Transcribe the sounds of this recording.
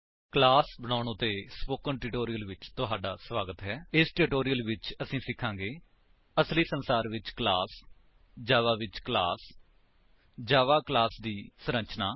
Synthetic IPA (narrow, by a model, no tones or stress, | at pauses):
klaːsbəɽ̃aːɽ̃õːt̪eːspoːkəɳʈɪʈoːɾijəlʋɪt͡ʃt̪ʊɦaːɖaːsʋaːɡət̪ɦɛːɪsʈɪʈoːɾijəlʋɪt͡ʃəsĩːsɪkʰːãːŋɡeː | əsliːsənsaːɾʋɪt͡ʃklaːs | d͡ʒaːʋaːʋɪt͡ʃklaːs | d͡ʒaːʋaːklaːsd̪iːsəɾə̃nt͡ʃnaː